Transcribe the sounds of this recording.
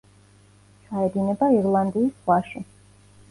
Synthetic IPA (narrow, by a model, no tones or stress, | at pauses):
t͡ʃʰaɛd̪inɛbaiɾlˠand̪iːsχwaʃi